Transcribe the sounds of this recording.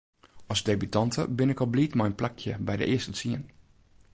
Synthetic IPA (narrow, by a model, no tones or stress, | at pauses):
ɔsdeːbytɑntʰə̰bɪnɪkɔbliːtmɛjənplɛkʰjəbɛjdə̰ʔɪəstət͡siən